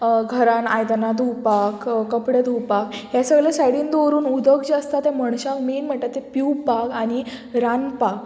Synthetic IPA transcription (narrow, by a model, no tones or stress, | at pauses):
ɡʱəɾãnajd̪anad̪ʱuwpakkəpɽed̪ʱuwpakɦjasəɡɭasajɽĩnd̪oɾuːnud̪ʱəkd͡ʑəst̪at̪ɛ̃məɳɕãkmeːnm̤əɳt̪at̪ːepuwpakaɽ̃iɾanpak